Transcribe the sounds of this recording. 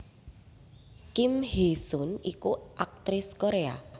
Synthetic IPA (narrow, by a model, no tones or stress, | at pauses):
kɪmhesʊnikuʔak̚t̪ɾɪskoɾea̰